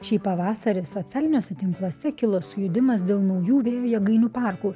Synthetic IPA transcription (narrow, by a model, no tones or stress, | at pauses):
ʃʲiːpɐʋɑːsɐɾʲesɔtsʲæːlʲɪnʲoːsʲɛt̪ʲɪŋklˠoːsʲɛkʲɪlˠoːsʊjʊd̪ʲɪmɐs̬d̪ʲeːlˠnɐʊjuːʋʲeːjoːjɛɡɐɪnuːpɑˑɾkuː